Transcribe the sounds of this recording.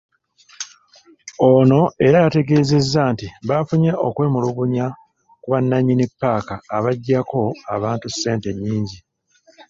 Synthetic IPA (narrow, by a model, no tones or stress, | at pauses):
ono̞e̞ɾaːte̞ɡe̞ːze̞zːaːntiβafuɲaʔo̞kwe̞ːmuluɡuɲa | kuβanːaɲinipːaːkaːβaɟːako̞aβaːntusːe̞ːnte̞ɲːiːɲɟi